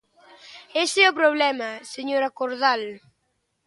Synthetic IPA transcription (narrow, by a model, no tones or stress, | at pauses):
esɛʊpɾoβlɛmaseɲoɾakoɾðal